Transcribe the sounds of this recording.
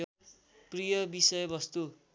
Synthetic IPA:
prijʌbisʌjbʌst̪u

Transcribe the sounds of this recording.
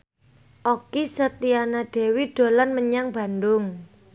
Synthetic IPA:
ʔokisət̪ianaɖ̥e̤wiɖ̥o̤lanməɲaŋb̥a̤ndʊŋ

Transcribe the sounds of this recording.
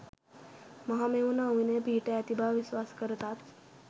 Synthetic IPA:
məɦameunaʋinebʱiʈɛt̪ibʱaʋisʋaskəɾt̪at̪

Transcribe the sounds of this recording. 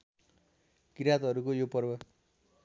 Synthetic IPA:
kiɾat̪ɦʌɾukojopʌrbʌ

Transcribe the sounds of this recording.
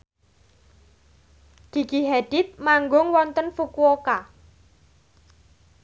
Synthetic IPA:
ɡ̥i̤kiɦɛɖ̥ɪt̪̚maŋɡʊŋwɔnt̪ənfukuoka

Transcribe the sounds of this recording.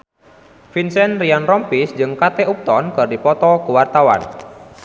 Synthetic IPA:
finsɛnrianrɔmpisd͡ʒɨŋkat̪eup̚t̪ɔnkɨrdipɔt̪ɔkəwart̪awa̰n

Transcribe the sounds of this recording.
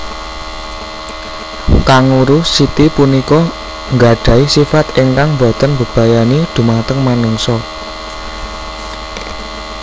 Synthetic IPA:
kaŋuɾusit̪ipunikɔ | ŋɡa̤ɖ̥ä̤isifat̪ɪŋkaŋmbɔt̪ənbə̤b̥ä̤janid̪̥ṳmat̪əŋmanuŋsɔ

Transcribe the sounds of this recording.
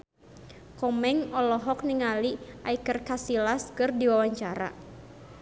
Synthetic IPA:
kɔmɛŋɔlɔɦɔk̚niŋaliaikərkasilaskɨrdiwawaɲt͡ʃaɾa̰

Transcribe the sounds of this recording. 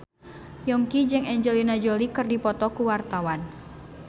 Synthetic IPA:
jɔŋkid͡ʒɨŋɛɲd͡ʒɛlinad͡ʒolikɨrdipɔt̪ɔkuwart̪awan

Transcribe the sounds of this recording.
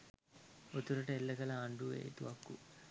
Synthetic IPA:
ot̪uɾɐʈɐelːɐkɐlaːɳɖuʋḛt̪uʋɐkːu

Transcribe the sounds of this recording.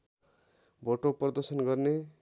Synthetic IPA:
bʱoʈoprʌd̪ʌrsʌnɡʌrne

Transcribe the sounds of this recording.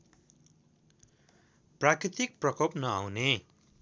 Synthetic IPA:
prakɾit̪ik̚prʌkʰop̚nʌawne

